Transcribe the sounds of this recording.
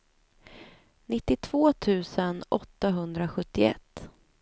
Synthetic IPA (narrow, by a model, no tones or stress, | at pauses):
nɪt̪ːɪt̪ʰv̥oːt̪ʰʉ̟ːsənɔt̪ːaɦɵnd̪ɾaɧɵt̪ːɪɛ̰t̪ː